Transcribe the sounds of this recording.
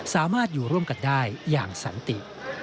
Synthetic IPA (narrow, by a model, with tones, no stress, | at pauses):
saː˩˦maː˥˩t̪̚juː˨˩ɾu˥˩əmka˧˩ndaː˥˩jːaː˨˩ŋsa̰˩˦nt̪i˨˩ʔ